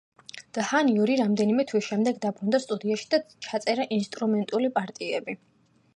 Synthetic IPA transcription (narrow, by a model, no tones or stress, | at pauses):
d̪̥haniuɾiɾamd̪ɛnimɛt̪ʰwisʃɛmd̪ɛɡd̪abɾund̪ast̪ʼud̪iaʃi̥d̪at͡ʃʰat̪sʼɛɾaʔinst̪ʼɾumɛnt̪ʼulipʼaɾt̪ʼiɛbi